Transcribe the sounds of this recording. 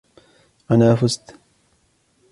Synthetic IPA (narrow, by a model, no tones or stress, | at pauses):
ʔanaːfʊst̪